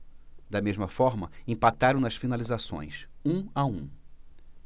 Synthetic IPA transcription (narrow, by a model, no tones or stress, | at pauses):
d̪ɐmezmɐfɔɾmɐẽpat̪aɾɐ̃w̃nɐsfinalizasõ̰j̃sũaũ